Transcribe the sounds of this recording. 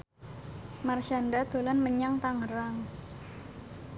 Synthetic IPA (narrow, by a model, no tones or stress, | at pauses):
marʃandad̪̥o̤lanməɲaŋt̪aŋəɾaŋ